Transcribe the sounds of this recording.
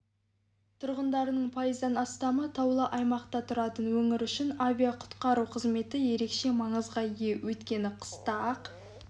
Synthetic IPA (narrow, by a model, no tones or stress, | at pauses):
t̪ʰʊɾʁənd̪ɑɾənəɴpʰɑjəzd̪ɑnɑst̪ɑmət̪ʰɑwlˠəʔɑjmɑqt̪ɑt̪ʰʊɾɑt̪ənwɵŋɪɾʏʃɪnavʲijaqʰʊ̥t̪qɑɾuqʰəzme̞t̪ɪje̞ɾe̞kʃe̞mɑɴəzʁɑijewʔɵt̪kʲe̞nɪqʰə̥st̪ɑq